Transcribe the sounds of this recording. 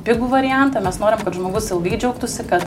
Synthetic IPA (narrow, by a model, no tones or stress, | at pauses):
pʲɪɡuːʋɐɾʲɪjɛnt̪ɐmʲɛsnoːɾʲɪmkɐt̪ʒmoːɡʊsɪlˠɡɐɪd͡ʒʲɛʊk̚t̪ʊsʲɪkɐt̪